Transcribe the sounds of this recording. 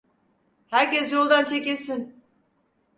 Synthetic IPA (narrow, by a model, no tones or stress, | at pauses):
hæɾcɛsjolˠd̪ant͡ʃʰecisin